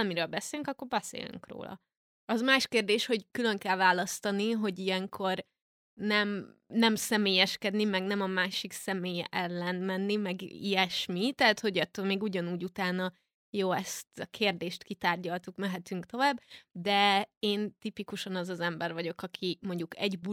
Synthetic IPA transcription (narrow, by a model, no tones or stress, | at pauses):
miɾøːlbɛseːlyŋkɒkːo̞rbɛsḛːly̰ŋkro̰ːlɒ̰ | ɒzmaːʃkeːrd̪eːʃho̞ɟkylø̞ŋkɛlvaːlɒst̪ɒniɦo̞ɟijɛŋkʰo̞r | nɛmnɛmsɛmeːjɛʃkɛd̪nimɛɡnɛmɒmaːʃiksɛmeːjɛʔɛlːɛnmɛnːimɛɡḭɛʃmit̪ɛɦːt̪ho̞ɟɒt̪ːølmeːɡuɟɒnuːɟut̪aːnɒ | joːɛst̪ɒkʰeːrd̪eːʃt̪kit̪aːrɟɒlt̪ukmɛɦɛt̪yŋkt̪o̞vaːbːd̪ɛeːnt̪ipikuʃɒnɒzɒzɛmbɛrvɒɟo̞kɒkʰimo̞ɲɟukɛɟbu